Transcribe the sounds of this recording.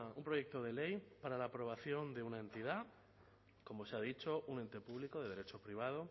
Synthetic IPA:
umpɾo̞ʝe̞k̚t̪o̞ð̞e̞le̞jpaɾalaːpɾo̞β̞aθjo̞nd̪e̞unae̞nt̪iða | ko̞mo̞seaðit͡ʃo̞ʔune̞nt̪e̞puβliko̞ðe̞ð̞e̞ɾet͡ʃo̞pɾiβ̞að̞o̞

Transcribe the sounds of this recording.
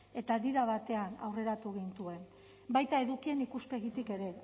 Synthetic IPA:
e̞t̪aðiɾaβ̞at̪e̞ana̰wre̞ɾat̪uɣ̞int̪ue̞n | bajt̪ae̞ðukie̞nikuske̞ɣit̪ike̞ɾe̞

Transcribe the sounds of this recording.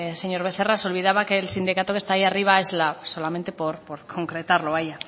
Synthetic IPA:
se̞ɲo̞ɾβe̞θe̞raso̞lβið̞aβakeːlsind̪ikat̪okest̪aːiariβ̞ae̞zlaso̞lament̪epoɾpoɾkʰo̞ŋkɾe̞t̪aɾloaja

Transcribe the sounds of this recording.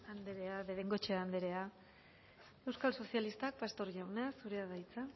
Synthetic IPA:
and̪eɾeaβeðeŋɡo̞t͡ʃeand̪eɾe̞a | e̞wskalso̞sialist̪ak̚past̪o̞ɾʝawnasuɾe̞aðajt͡sa

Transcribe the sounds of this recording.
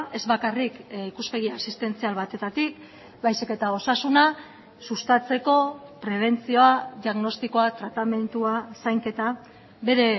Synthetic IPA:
e̞zβakarikikuspe̞ɣiasist̪e̞nt͡sialβat̪e̞t̪at̪ik̚ | bajsike̞t̪ao̞sasuna | sust̪at͡se̞ko̞pɾe̞β̞e̞nt͡sio̞aðiaɣno̞st̪iko̞at̪ɾat̪ame̞nt̪uasajŋke̞t̪a | βe̞ɾe̞

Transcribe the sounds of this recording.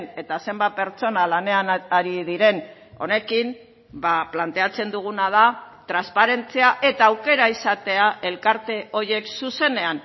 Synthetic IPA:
ne̞t̪ase̞mbat̪̚pe̞ɾt͡so̞nalane̞anaɾiðiɾe̞n | o̞̰ne̞kim | baplant̪e̞at͡se̞nd̪uɣ̞unað̞a | t̪ɾanspaɾe̞nt͡siaʔe̞t̪aːwke̞ɾaisat̪e̞aʔe̞lkaɾt̪e̞ʔo̞ɾje̞ksuse̞ne̞an

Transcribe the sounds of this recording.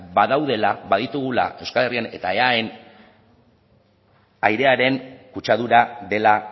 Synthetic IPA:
baðawð̞e̞laβaðit̪uɣ̞ula̰ʔe̞wskale̞riane̞t̪ae̞ae̞n | ajɾe̞aɾe̞nkut͡ʃað̞uɾaðe̞la

